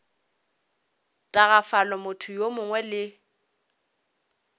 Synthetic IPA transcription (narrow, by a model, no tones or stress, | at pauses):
tʼaɣafalɔmʊtʰʊjomʊŋwɛlɪ